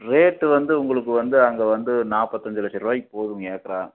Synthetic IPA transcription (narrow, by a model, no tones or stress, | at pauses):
ɾeːʈːɯʋɐnd̪ɯʊŋɡɐɭɯkːɯʋɐnd̪ɯɐŋɡeːʋɐnd̪ɯnaːpːɐt̪ːɐɲd͡ʒɪlɐsɪɾʋaːjɪpːoːðɯŋɡɐeːkːɐɾãːŋ